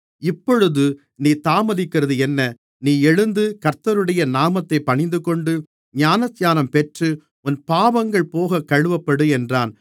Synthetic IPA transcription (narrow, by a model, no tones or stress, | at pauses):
ɪpːɔɻɯðɯ | niːt̪aːmɐðɪkːɪrɐðɯɛnːɐ | niːɛɻɯnd̪ɯkɐɾt̪ɐɾɯɽɐjɐnaːmɐt̪ːɐɪpːɐɳɪnd̪ɯkɔɳɖɯ | ɲaːnɐsjaːnɐmpɛʈrɯ | ʊnpaːʋɐŋɡɐɭpoːɣɐkɐɻɯʋɐpːɐɽɯɛndraːn